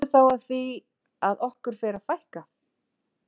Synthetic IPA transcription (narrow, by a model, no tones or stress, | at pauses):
ʏθawaðθvi | aðɔhkʏɾ̥fɛːɾafajhka